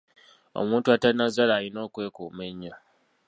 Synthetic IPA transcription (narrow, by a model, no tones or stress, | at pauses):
o̰muːntuatanazalaːlino̞ːkwe̞ːkuːme̞ɲːo